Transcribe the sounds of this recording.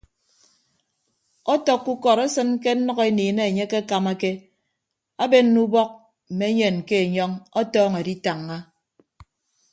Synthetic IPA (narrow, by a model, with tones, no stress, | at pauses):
ɔ˦tɔ˨kːu˦kɔ˨ɾa˦sɨ˦nke˦n̩˦nɔ˦ɣe˦niː˨ne˦˨ɲe˦ke˦a˦ka˨ma˦ke˦ | a˦be˦n̩˦nu˦bɔ˦k̚ | m̩˨me˦ɲe˨nke˦e˨ɲɔ˦ŋɔ˦tɔː˦ŋe˨di˦ta˨ŋːa˦